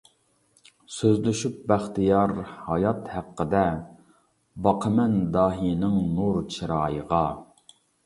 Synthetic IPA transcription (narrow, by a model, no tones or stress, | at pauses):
søzlyʃyp̚bæχt̪ijɑɾhɑjɑt̪hæqːəd̪ɛ | bɑqʰəmɛnd̪ɑːɦinɪŋnuɾt͡ʃʰiɾɑːjəʁɑ